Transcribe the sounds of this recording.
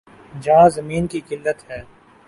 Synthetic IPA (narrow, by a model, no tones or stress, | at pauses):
d͡ʒɐɦãzɐmiːnkikɪlːət̪ɦɛː